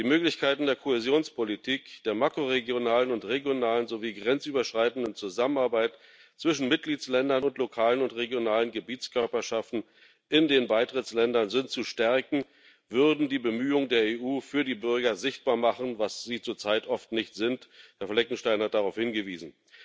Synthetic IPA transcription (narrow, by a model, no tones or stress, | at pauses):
d̥iːmøːklɪçkʰaɪtn̩deːɐkʰohezjoːnspʰolitʰiːkd̥eːɐmakʁ̥oʁeɡjonaːlənʊntʁeɡjonaːlənzoviːɡʁɛnt͡sʔyːbɐʃʁ̥aɪtn̩dənt͡suzamənaɐbaɪt | t͡sv̥ɪʃn̩mɪt̚ɡ̥liːslɛndɐnʊntlokʰaːlənʊntʁeɡjonaːlənɡəbiːtt͡skʰœɐpɐʃaftn̩ | ʔɪndeːnbaɪtʁ̥ɪtt͡slɛndɐnzɪntt͡suʃtɛɐkŋ̩ | vʏʁdn̩diːbəmyːʊŋədeːɐeːʔuːfyːɐdiːbʏɐɡɐzɪçt̚b̥aːɐmaχn̩vasz̥iːt͡suːɐt͡saɪtʔɔftnɪçtz̥ɪnthɛɐflɛknŋ̩ʃtaɪnhat̚d̥aʁaʊfhɪnɡəvḭːzn̩